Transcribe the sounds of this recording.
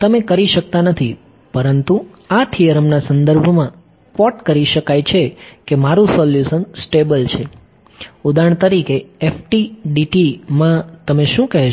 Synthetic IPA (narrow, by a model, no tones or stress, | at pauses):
t̪əmekəɾiʃək̚t̪anət̪ʰi | pəɾənt̪u | at̪ʰiəɾəmnasə̃nd̪əɾbʱmã | kʋɔʈkəɾiʃəkajt͡ʃʰekemaɾũsɔljusənsʈebəlt͡ʃʰe | ud̪aɳ̃t̪əɾikeːfʈiɖiʈimãt̪əmeʃũkɛɦe